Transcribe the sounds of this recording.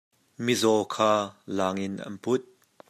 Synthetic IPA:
mizɔkʰaːlaːŋɪnʔɐ̰npʊt̪̚

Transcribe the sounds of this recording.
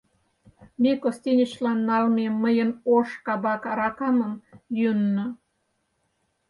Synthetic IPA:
mʲekost̪ʲinʲət͡ɕlɑnːɑlmemːəjənoʃkɑbɑkɑɾɑkɑməmjynːɤ̆

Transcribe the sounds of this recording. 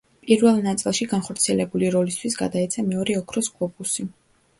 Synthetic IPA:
pʼiɾvɛlˠnat̪sʼilˠʃiɡanχɔɾt̪sʰiɛlɛbuliɾɔlist̪ʰwisɡa̰d̪aɛt̪sʰamɛɔɾɛɔkʰɾɔskʼɔpʼusi

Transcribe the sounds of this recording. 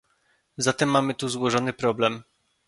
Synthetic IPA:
zat̪ɛmːamɘt̪uzwɔʐɔnɘpɾɔblɛm

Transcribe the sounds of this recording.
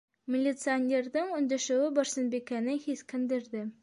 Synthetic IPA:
mʲɪlʲːit̪sɨanʲerðɤɴɵ̆nd̪ɘ̆ʃɘ̆wɘbɒɾsɤ̆nbikænɘhiθkɘ̆nd̪ɘ̆ɾdɘ

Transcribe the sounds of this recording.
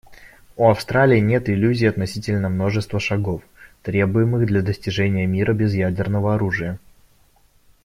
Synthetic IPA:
uɐfst̪ɾalʲɪːnʲe̞t̪ɪlʲʉzʲɪːɐt̪nɐsʲitʲɪlʲnəmno̞ʐɨst̪vəʂɐɡo̞ft̪ɾʲe̞bʊjɪmɨɣd̪lʲɐd̪əsʲtʲɪʐɛnʲɪjəmʲiɾəbʲɪzjædʲɪrnəvəɐɾuʐɨjə

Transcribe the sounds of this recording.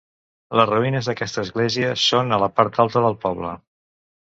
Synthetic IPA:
ləzruinəzðəkɛst̪əːzɣleziəsonələpaɾt̪alˠt̪əðəlˠpɔβlə̰

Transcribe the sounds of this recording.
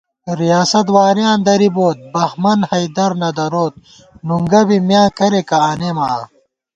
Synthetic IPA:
ɾijaːsɐt̪̬waːɾjãːnd̪ɐɾiboːt̪̚bɐxmɐnhɐjd̪ɐɾnɐd̪ɐɾoːt̪̚ | nuŋɡɐbimjãːkɐɾekɐaːnemaː

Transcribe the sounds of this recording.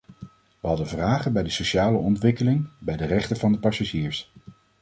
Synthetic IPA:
ʋəɦɑdənvraːχənbɛjdəsoʃaːləɔntʋɪkəlɪŋbɛjdərɛχtənvɑndəpɑsaʒiːɹs

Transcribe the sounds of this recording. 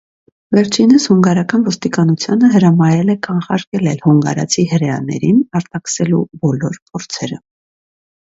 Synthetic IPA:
vɛɾt͡ʃʰinəshuŋɡɑɾɑkɑnvɔst̪ikɑnut͡sʰjɑnəɦəɾɑmɑjɛlɛkɑɴχɑɾkɛlɛlhuŋɡɑ̰ɾɑ̰t͡sʰihəɾɛɑ̰nɛ̰ɾinɑɾt̪ɑkə̥sɛlubɔlɔɾpʰɔɾt͡sʰɛɾə

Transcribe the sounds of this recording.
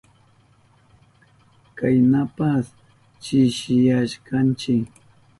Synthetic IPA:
kajnapas | t͡ʃɪʃɪjaʃkant͡ʃɪk

